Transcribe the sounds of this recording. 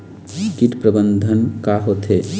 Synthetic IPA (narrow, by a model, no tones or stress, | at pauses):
kiʈpɾəbənd̪ʱənkaɦot̪ʰe